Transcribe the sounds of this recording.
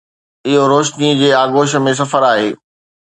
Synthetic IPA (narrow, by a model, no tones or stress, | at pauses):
ɪɦoɾoːʃnid͡ʑeːaːɡoːʃ̬ə̆mẽs̬ɐfəɾaːɦeː